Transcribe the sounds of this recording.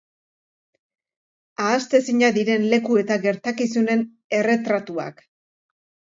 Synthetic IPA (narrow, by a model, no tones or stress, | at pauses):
aːst̪e̞siɲaðiɾe̞nle̞kue̞t̪aɣe̞ɾt̪akisune̞n | e̞re̞t̪ɾat̪ua̰k